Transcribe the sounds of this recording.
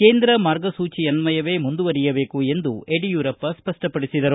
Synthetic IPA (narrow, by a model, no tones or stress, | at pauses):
ke̞ːnd̪ɾɐmaːɾɡɐsuːt͡ʃiɐnmɐjɐʋe̞ːmund̪uʋɐɾijɐbe̞ːkue̞nd̪ueɖijuːɾɐpːɐspɐʂʈɐpɐɽisid̪ɐɾu